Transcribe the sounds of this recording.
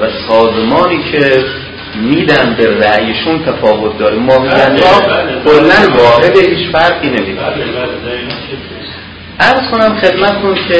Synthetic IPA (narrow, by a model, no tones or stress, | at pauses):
væsɒːzemɒːniːcʰe | miːd̪ænberæʔjeʃunt̪ʰæfɒːvo̞t̪̚ʰd̪ɒːɾimːmɒːmiːd̪ænmɒːkʰolːænvɒːɦe̞d̪eɦiːt͡ʃfæɾʁiːne̞miːd̪a̰ɾi | ʔæɾz̥kʰonæmχe̞d̪mæt̪t̪ʰuncʰe